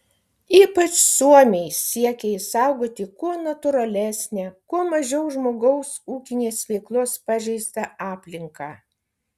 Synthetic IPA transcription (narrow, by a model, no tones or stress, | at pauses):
iːpɐt͡ʃsuɔmʲeɪsʲiɛkʲɛɪsɑˑʊɡoːt̪ʲɪkuɔnɐt̪ʊɾɐlʲæsʲnʲɛːkuɔmɐʒʲɛʊʒmoːɡɐʊsuːkʲɪnʲeːsʋʲɛɪklˠʊspɑːʒʲɛɪst̪ɐɑːpʲlʲɪŋkɑː